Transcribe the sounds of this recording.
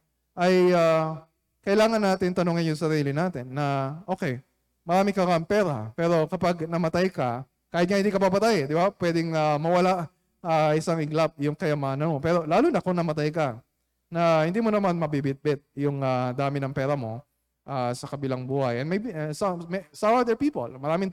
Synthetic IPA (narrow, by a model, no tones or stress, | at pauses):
ʔɐja | kɐʔɪlaːŋɐnːaːt̪ɪŋt̪ɐnoːŋɐnjʊŋsɐɾiːlɪnaːt̪ɪnːɐʔo̞ːkɛj | mɐɾaːmɪkɐɡaɐŋpɛːɾɐ̰pɛːɾo̞kɐpaɡnɐmɐt̪ajkɐ | kaːhɪt̪̚ŋahɪnd̪ikɐbabɐt̪ajd̪ɪbapwɛd̪ɪŋamɐwɐlaʔ | ʔaʔɪsaŋɪɡlap̚jʊŋkɐjɐmaːnɐnmo̞pɛːɾo̞laːlʊnɐkonɐmɐt̪ajkɐ | nɐhɪnd̪iːmonɐmanmɐbibɪt̪̚bɪt̪̚jʊŋad̪aːmɪnɐŋpɛːɾɐmo̞ | ʔasɐkɐbɪlaŋbuːhɐjʔɛnmejbisɐmsɐad̪ɛɹpiːpo̰lmɐɾaːmɪŋ